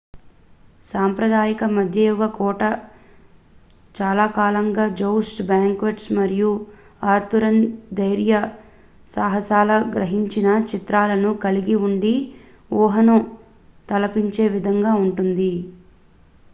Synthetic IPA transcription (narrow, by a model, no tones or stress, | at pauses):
saːmpɾɐd̪aːjikɐmɐd̪ʱjɐjɔɡɐkɔːʈɐ | t͡ʃaːlaːkaːlɐŋɡaːd͡ʒowsʈbaːŋkʋɐʈsmɐɾiju | aːɾt̪uɾɐnd̪ɐjɾjɐ | saːɦɐsaːlɐɡɾɐɦiɲt͡ʃinɐt͡ʃit̪ɾaːlɐnukɐliɡiuɳɖi | ɔːɦɐnɐ | t̪ɐlɐpiɲt͡ʃe̞ːʋid̪ʱɐŋɡaːuɳʈund̪i